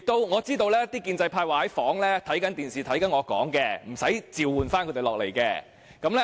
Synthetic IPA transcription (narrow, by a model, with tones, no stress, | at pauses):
k̚t̪o˥wŋɔː˨˧t͡siː˥t̪o˧wlɛː˥t̪iː˥kiː˧nt͡sɐ˧jpʰaː˧jwaː˨hɐ˨˥jfɔː˨˥ŋlɛː˥t̪ʰɐ˨˥jkɐ˨˥nt̪iː˨˩nsiː˨˩t̪ʰɐ˨˥jkɐ˨˥nŋɔː˨˧kɔ̰ː˨˥ŋkɛː˧m̩˨˩sɐ˨˥jt͡siː˨wuː˨nfaː˥nkʰɵ˧˥t̪e˨˩lɔː˨k̚le˨˩jkɛː˧ | kɐ˨˥mlɛ˥